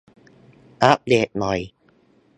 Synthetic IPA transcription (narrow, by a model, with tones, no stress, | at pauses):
ʔa˦˥p̚leː˨˩t̪̚nɔ˨˩j